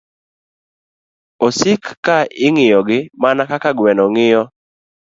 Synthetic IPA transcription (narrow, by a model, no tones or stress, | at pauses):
osɪkːaɪŋɪjɔɡɪmanakakaɡwɛnɔŋɪjɔ